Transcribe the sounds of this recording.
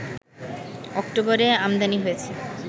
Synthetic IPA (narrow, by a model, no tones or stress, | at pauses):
ɔkʈoboɾeamd̪aniɦojet͡ɕʰe